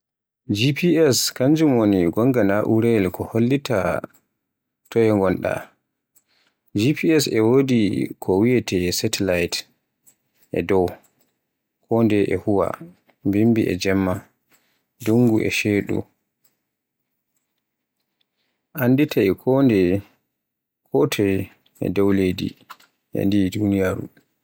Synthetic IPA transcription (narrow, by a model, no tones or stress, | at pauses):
d͡ʒipʰiɛskaɲd͡ʒumoniɡɔŋɡanaʔuɾɛlkɔholːita | tɔjɛŋɡɔnɗa̰ | d͡ʒipʰiɛsɛwodikʰɔwijɛtɛsɛtʰɛlajt | ʔɛ̰dɔw | kʰɔndɛʔɛhuwa̰ | bimbiʔɛ̰d͡ʒɛmːa | duŋɡuʔɛ̰ʃeːɗṵ | ʔanditʰaɛkʰɔndɛ | kʰɔtʰɛ | ɛ̰dɔwledḭ | ʔɛ̰ndidunijaɾṵ